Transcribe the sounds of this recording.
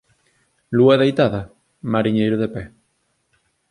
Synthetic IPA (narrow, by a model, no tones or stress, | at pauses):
luaðejt̪aðɐ | maɾiɲejɾoðepɛ